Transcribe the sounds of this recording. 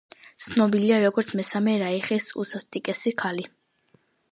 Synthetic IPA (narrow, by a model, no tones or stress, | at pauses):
t̪sʰnɔbiliaɾɔɡɔɾt̪sʰmɛsamɛɾaiχisṵsast̪ʼikʼɛsikʰali